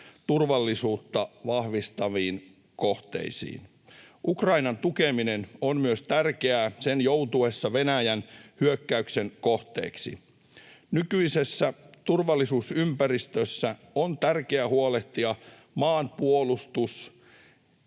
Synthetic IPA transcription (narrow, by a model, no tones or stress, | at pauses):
t̪urʋɑlːisuːt̪ːɑʋɑhʋist̪ɑʋiːn | koht̪ḛisḭːn | ʔukrɑinɑnt̪ukeminenonmyøst̪ærkeæsenjowt̪uesːɑʋenæjænhyøkːæyksenkoht̪ḛːksḭ | nykyisesːæt̪urʋɑlːisuːsympærist̪øsːæ | ont̪ærkeæhuoleht̪iɑ | mɑːnpuolust̪us